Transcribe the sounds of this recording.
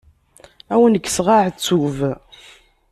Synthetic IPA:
æwənəɡːsʁaʕt͡sːuv

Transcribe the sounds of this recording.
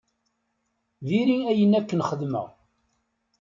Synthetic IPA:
viɾiæjənækːənχəðmə̰ʁ

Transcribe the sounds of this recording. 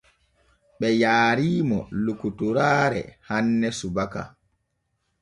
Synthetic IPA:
ɓɛjaːɾiːmɔ̰lukutuɾaːɾɛ̰hanːɛsubaka̰

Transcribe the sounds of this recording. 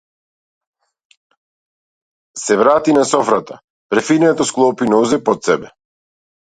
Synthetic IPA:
sɛvɾat̪inasɔfɾat̪a̰ | pɾɛfinɛt̪ɔsklˠɔpinɔzɛpɔt̪sɛbɛ

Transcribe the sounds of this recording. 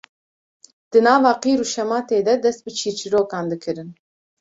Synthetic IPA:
d̪̥ɨnɑːvɑːqiːɾuːʃɛmɑːt̪eːd̪ɛd̪ɛst̪̚bɨt͡ʃʰiːɾt͡ʃʰiɾoːkɑːnd̪ɨkʰɨɾɨn

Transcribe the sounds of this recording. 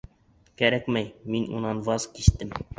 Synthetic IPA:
kæɾækmæjminṵnɑnvɑzkiʃt̪ɘm

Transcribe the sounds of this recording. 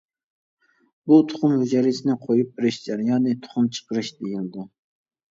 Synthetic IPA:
but̪ʰʊ̥χʊmvyd͡ʒɛɾɪsʰɪnɪqʰojup̚bɪɾɪʃd͡ʒæɾijɑːnɨt̪ʰʊ̥χʊmt͡ʃʰə̥qəɾɨʃd̪ejilɪd̪ɪ

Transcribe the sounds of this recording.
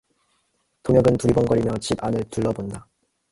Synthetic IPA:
tomjʌɡɯntuɾibʌnɡʌɾimjʌt͡ɕibanɯɭtuɭːʌbonda

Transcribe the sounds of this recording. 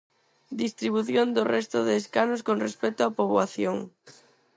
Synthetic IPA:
d̪ist̪ɾiβuθjond̪orɛst̪ʊðeːskanoskonrespɛt̪oapoβwaθjoŋ

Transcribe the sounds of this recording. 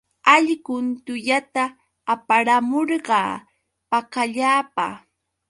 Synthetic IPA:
aʎɢʊnt̪ʊʎat̪aː | paɾamoɾɢɑː | pakaʎaːpa̰

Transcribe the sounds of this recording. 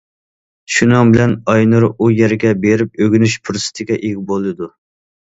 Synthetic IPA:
ʃunɑŋbɪlɛnɑjnɨɾujɛɾɡʲɛbeɾɪp̚øɡʲynyʃpʰuɾsɨ̥t̪ʰɪɡʲɛʔeɡʲɪbolˠɨd̪u

